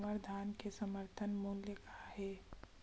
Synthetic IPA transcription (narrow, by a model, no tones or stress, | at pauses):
məɾd̪ʱaːnkesəməɾt̪ʰənmuːljəkaɦɛː